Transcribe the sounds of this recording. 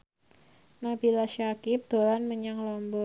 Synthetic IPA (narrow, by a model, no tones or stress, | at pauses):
nabilaʃakɪp̚d̪̥oɾanməɲaŋlɔmbɔ